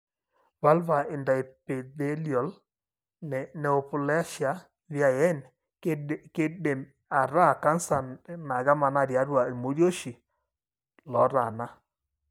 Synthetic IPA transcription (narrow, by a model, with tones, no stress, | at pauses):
βa˦lva˨e˨nda˨e˨pe˨ðe˦ljɔ˨l | nɛ˨nɛ˨o˨pʊ˨lɛ˦ʃa˨˦ | βja˨jɛ˦n˦ | ke˦de˨m | a˨ɾa˦˨ka˦nsa˨na˨ɣa˦ma˨na˦˨ɾja˨˦ɾwa˨e˨mo˨˦ɾjo˦ʃi˨ | lɔ˨˦ɾa˨na˦